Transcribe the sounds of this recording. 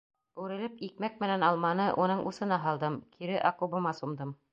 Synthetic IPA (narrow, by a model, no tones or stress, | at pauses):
ʉɾɘ̆lɘpik̚mæk̚mɘ̆nænɑlˠmɑnɤʔunɤɴʔusɤ̆nɑɦɑlˠd̪ɤmkʰiɾɘʔɑqubɤ̆mɑsumd̪ɤm